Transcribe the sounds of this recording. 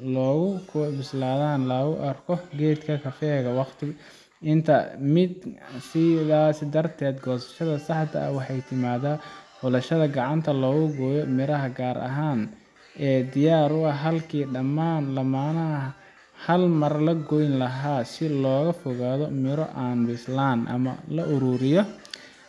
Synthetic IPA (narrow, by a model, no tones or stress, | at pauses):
lɔːɣʊkʰbɪslaːðaːnlɐɣʊʔɐrkʰɔɡɛːd̪kʰɐkʰɐfɛːɣɐwɑqt̪ʰɪ | ɪnt̪ʰɐ̰mɪd̪sɪðaːsɪd̪ɐrt̪ʰɛːd̪ɡɔːsɐ̥ʃɐðɐsɑħt̪ʰɐ̰ɐ̰wɑħɑjt̪ʰɪmaːðaːħʊlɐʃɐðɐɡɑʕɑnt̪ʰɐlɔːɣʊɡɔːjɔmɪɾɐɦɐɡaːɾʔɐ̰ɦaːn | ɛːd̪ɪjaːɾʊɐɦɐlkʰiːɖɐmaːnlɐmaːnɐ | hɐlmɐrlɐɡɔjnlɐɦaːsɪlɔːɣɐfɔɣaːðɔmɪɾɔ̰ʔaːnbɪslaːnʔɐ̰mɐ̰lɐʔʊɾuːɾɪjɔ